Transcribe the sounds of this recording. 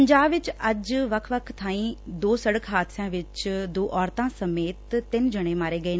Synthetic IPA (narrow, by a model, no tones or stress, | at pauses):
ɲd͡ʒaːbʋɪt͡ʃɐd͡ʒʋɐkʰʋəkʰt̪ʰaːĩːd̪oːsəɽəkɦaːd̪sjãːʋɪt͡ʃd̪oːʔɔːɾt̪ãːsɐmeːt̪ːɪnd͡ʒɐɽ̃ẽmaːɾeːɡɐeː